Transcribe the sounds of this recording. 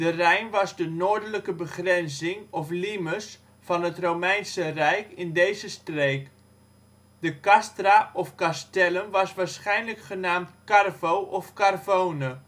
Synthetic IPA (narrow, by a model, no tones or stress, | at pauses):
d̥ərɛjnʋɑzdənoːɹdələkəbəχrɛnzɪŋɔfliməs | fɑnətrowmɛjnsərɛjkɪndejzəstreːk | dəkɑstraʔɔfkastɛlənʋɑsʋaːɹsχɛjnləkχənaːmtkarvowʔɔfkarvownə